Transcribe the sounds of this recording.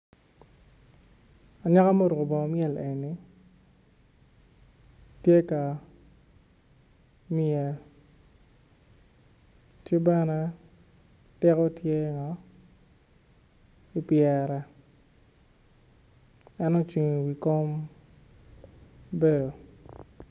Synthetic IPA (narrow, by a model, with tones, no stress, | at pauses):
a˨ɲa˦ka˦mo˦ɾu˨o˨bɔ˨mjɛ˦˨lʔe˨ni˨ | tje˦ka˨ | mɪɛ˨ | tje˦bɛ˦nɛ˦ | tɛ˦kɔ˦tje˦ŋɔ˦ | i˨pjɛ˨ɾɛ˨ | ɛ˦nɔ˦t͡ʃi˨ŋ˨ɡi˨ko˦m | be˦do˨